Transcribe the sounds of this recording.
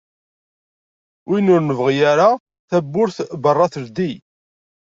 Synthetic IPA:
winʊɾnəvʁijaɾa | θæbːʊɾθbərˤːɑθəɾd̪i

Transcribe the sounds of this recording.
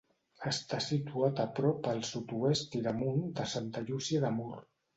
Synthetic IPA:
əst̪asit̪uat̪əpɾɔpəlˠsut̪uest̪iɾəmund̪əsant̪əʎusiəðəmur

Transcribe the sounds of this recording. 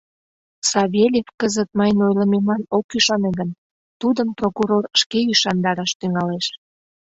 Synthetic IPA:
sɑβʲelʲefkəzət̪̚mɑjnojləmemlɑnokyʃɑneɡən | t̪ud̪əmprokuɾorʃkeyʃɑnd̪ɑɾɑʃt̪yŋɑleʃ

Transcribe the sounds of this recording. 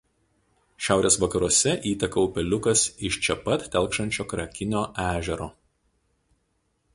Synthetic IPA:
ʃʲæˑʊɾʲʔeːsʋɐkɐɾuɔsʲɛʔiːt̪ʲɐkɐʊpʲɛlʲʊkɐsɪʃt͡ʃʲɛpɐt̪ːʲɛlˠkʃɐnʲt͡ʃʲoːkɾɐkʲɪnʲoːʔæːʒʲɛɾoː

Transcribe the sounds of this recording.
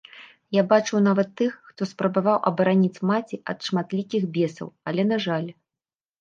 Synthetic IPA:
jabat͡ʂɐwnavɐt̪ːɨxːt̪ɔspɾɐbavawʔɐ̰bɐɾanʲit͡sʲmat͡sʲiʔɐ̰t̪ʂmat̪lʲikʲixbʲɛsɐ̰wɐlʲɛn̪aʐalʲ

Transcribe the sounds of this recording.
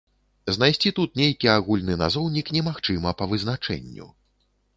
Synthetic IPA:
znajsʲt͡sʲit̪ut̪nʲejkʲiaɣulʲnɨna̰zɔwnʲiknʲɛmaxt͡ʂɨmɐpɐvɨznat͡ʂɛ̰nʲːṵ

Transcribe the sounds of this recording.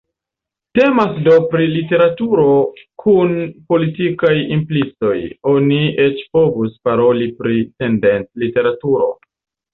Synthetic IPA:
te̞masdo̞pɾilite̞ɾatuɾo̞kʰunpo̞litikajimplit͡so̞jo̞nie̞t͡ʃpo̞vuspaɾo̞lipɾite̞nde̞nlite̞ɾatuɾo̞̰

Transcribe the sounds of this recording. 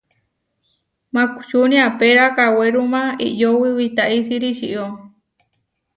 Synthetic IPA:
mãku̥t͡ʃunĩapeɾakaweɾumãḭʔjowiwit̪aʔisiɾiʃiʔo

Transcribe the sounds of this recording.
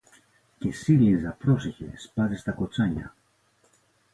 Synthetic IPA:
cesilizɐpɾosiçḛspɐðest̪ɐkot͡saɲɐ̰

